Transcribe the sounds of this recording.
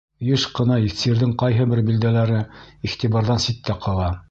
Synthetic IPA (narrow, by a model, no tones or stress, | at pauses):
jɘʃqɤ̆nɑifsiɘɾðɘŋqɑjɦɤbɘɾbild̪ælæɾɘiχt̪iβɑɾðɑnsit̪ːæqʰɑlˠɑ